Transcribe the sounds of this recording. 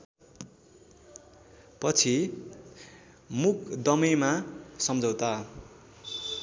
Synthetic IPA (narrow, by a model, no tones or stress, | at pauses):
pʌt͡sʰi | mukd̪ʌmemasʌmd͡zʌwt̪a